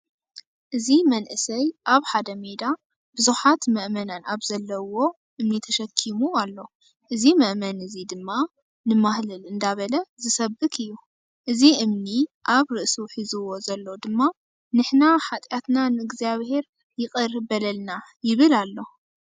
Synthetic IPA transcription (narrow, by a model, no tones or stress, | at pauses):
ʔɨzimɐnʔɨsɐjʔaβħad̪ɐme̞d̪a | bɨzuħat̪mɐʔmɐnanaβzɐlːɐwo̞ | ʔɨmnit̪ʰɐʃɐkʰːimualːo̞ | ʔɨzimɐʔmɐnɨzid̪ɨmːa | nɨmahlɐlɨnd̪aβɐlɐzɨsɐbɨkʰɨjːu | ʔɨziʔɨmniʔaβɾɨʔsuħizuwo̞zɐlːod̪ɨmːa | nɨħnaħat̪ʼjat̪nanɨɨɡziaβhe̞ɾ | jɪkʼɨɾbɐlɐlnajɪβɨlalːo̞